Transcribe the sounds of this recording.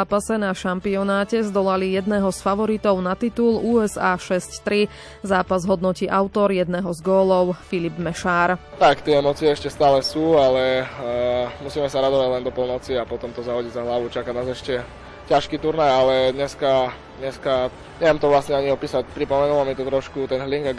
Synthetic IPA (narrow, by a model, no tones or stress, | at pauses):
pasɛnaʃampiɔnaːcɛzd̪ɔlalijɛd̪nɛɦɔsfaʋɔɾit̪ɔʊnat̪it̪uluːɛzaːʃɛsct̪ɾi | zaːpazɦɔd̪nɔciːʔaʊt̪ɔɾjɛd̪nɛːɦɔzɡɔːlɔʊfilibmɛʃaːɾt̪akt̪ɪɛɛmɔt͡siɛɛʃcɛst̪aːlɛsuːalɛ | musiːmɛsaɾad̪ɔʋaɟlɛnd̪ɔpɔlnɔt͡siapɔt̪ɔmt̪ɔzaɦɔɟiɟzaɦlaʋut͡ʃakanaːzɛʃcɛ | caʃkiːt̪uɾnajalɛd̪ɲɛska | d̪ɲɛska | ɲɛʋɛmt̪ɔʋlasɲɛaɲiɔpiːsac̚pɾipɔmɛnulamit̪ɔt̪ɾɔʃkut̪ɛnɦliŋɡa